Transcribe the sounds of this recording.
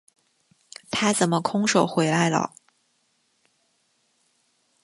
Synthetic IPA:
t̪ʰa˥t͡sə˨˩nmə˦kʰʊ˥ŋʂo˨˩ʊxwe˧˥ɪla˧˥ɪlə̰˨˩

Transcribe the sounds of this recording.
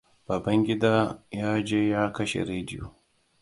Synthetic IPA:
bɐː˨bɐ˦ŋɡʲɪ˦daː˦jaː˦d͡ʒeː˦jaː˦kɐ˦ʃḛ˨ɾeː˦dɪ˦jo̰ː˨

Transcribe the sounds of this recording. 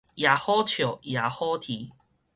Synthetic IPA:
ja˨˩hɔ˦t͡ɕʰjo˨˩ja˨hɔ˦t̪ʰi˨˦

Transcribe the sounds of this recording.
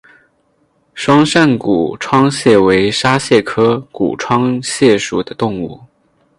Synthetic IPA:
ʂwɑ˥ŋʂa˥˩nkṵ˨˩ʈ͡ʂʰwɑ˥ŋɕjɛ˥˩we˧˥ɪʂa˥ɕjɛ˥˩kʰɤ˥kṵ˨˩ʈ͡ʂʰwɑ˥ŋɕjɛ˥˩ʂu˨˩d̪ə˦t̪ʊ˥˧ŋu˥˩

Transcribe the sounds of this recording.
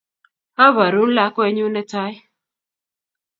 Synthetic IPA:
a˦βa˨ɾu˨˦n̩˦la˦kɔ˦e˨˦ɲu˦ne˦ta˦j

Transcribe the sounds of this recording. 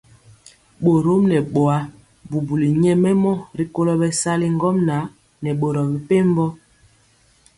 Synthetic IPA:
ɓo˨ɾo˦mnɛ˨ɓo˨a˦ | bu˨bu˨li˨ɲɛ˦mɛ˦mɔ˦ɾi˨˦ko˦lɔ˦bɛ˦sa˦li˦ŋ˦ɡɔ˦mna˨˦ | nɛ˨ɓo˨ɾɔ˨bi˨pe˦m˦bɔ˦

